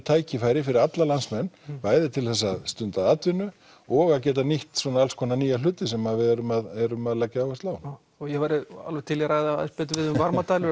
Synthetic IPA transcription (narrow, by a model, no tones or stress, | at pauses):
t̪ʰaːjcɪfajɾɪfɪɾɪɾat̪lalansmɛnːvaːjðɪt̪ʰɪlθɛsːaðst̪ʏnt̪aðat̪vɪnʏ | ɔɣaðcɛːt̪̬aniht̪swɔːnaalskʰɔːnaniːjalʏːt̪ɪsɛmavɪɛɾʏmaðɛɾʏmaðlacːaaːwɣast̪laːwn | ɔjɛvaɾɪa̰lvɛjt̪ʰɪljɛɾaːɣðaa̰ɪspɛːt̪ɪvɪðʏmvaɾmmat̪ʰaːjlʏ